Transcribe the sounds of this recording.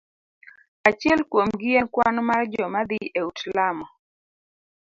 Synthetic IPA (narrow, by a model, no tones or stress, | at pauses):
at͡ʃjɛlkwomɡɪenkwanmard͡ʒɔmad̪ɪʔeutlamɔ